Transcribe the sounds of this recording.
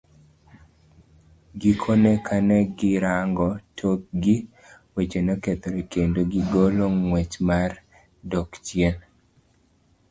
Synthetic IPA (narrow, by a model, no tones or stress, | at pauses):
ɡikʰonɛkʰanɛɡɪɾaŋɡɔtʰok̚ɡi | wet͡ʃenɔket̪oɾekendoɡiɡoloŋːwet͡ʃmar | dɔkt͡ʃjen